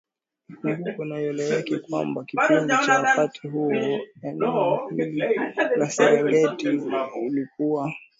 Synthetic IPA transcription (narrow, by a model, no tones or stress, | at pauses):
ukunajɔlɛɛkikwa̰mbakipindit͡ʃawakatʰiɦuɔɛnɛ | lasɛɾɛŋɡɛtiulikuwa